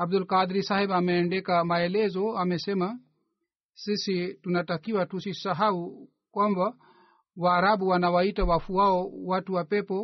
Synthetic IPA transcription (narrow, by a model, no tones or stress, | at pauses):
abdulkad̪ɾisahɛbamɛːndɛkamaɛlɛzɔamɛsɛma | sisitunatakiwatusisaɦau | kwamba | waːɾaɓuwanawaitawafuaɔwatuwapɛpɔ